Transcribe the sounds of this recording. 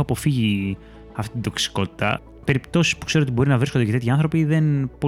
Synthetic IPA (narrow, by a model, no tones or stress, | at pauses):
ɐpo̞fiʝi | ɐft̪iit̪nd̪o̞ksi̥ko̞t̪i̥t̪ɐ̰ | pe̞ɾipt̪o̞si̥spu̥kse̞ɾoo̞t̪ibo̞ɾinɐvɾiskod̪ecet̪et̪çiɐnθɾo̞piðe̞npo